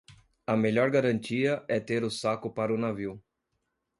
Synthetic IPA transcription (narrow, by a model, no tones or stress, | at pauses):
ɐmeʎɔɾɡaɾɐ̃nt͡ʃiɐʔɛt̪eɾʊsakʊpaɾʊnaviw